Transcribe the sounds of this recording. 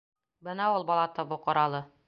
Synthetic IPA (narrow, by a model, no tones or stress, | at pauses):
bɤnæulˠbɒlˠɑt̪ɤbuqɤ̆ɾɑlˠɤ